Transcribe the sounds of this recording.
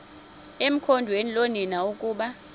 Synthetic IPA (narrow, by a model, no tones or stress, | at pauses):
em̩kʰondʱweniloninaukʼuːɓa